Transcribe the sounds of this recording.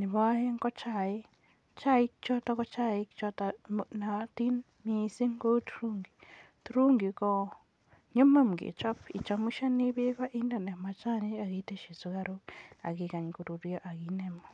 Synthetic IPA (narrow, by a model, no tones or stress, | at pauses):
niβaheŋkot͡ʃaji | t͡ʃajikit͡ʃotakot͡ʃajiki̥t͡ʃotanati | miːsiŋɡotu̥ɾuːŋɡi | tuɾuːŋɡiko | ɲumamuɡḭt͡ʃopit͡ʃomuʃaniβiβaʔindanemat͡ʃaniaɣiteʃizuɣaɾuaɣikaɲikuɾuɾjoʔaɣiːnemo